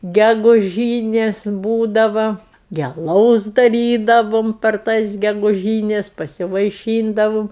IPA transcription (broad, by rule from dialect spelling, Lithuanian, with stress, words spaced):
ɡʲɛɡʊˈʒʲiːnʲeːs ˈbuːdɐʋɐ ɡʲɪ ɐˈlˠɐʊs dɐˈrʲiːdɐʋʊm pʲɛr ˈtɐs ɡʲɛɡʊˈʒʲiːnʲɛs pɐsʲɪʋɐɪˈʃʲiːndɐʋʊm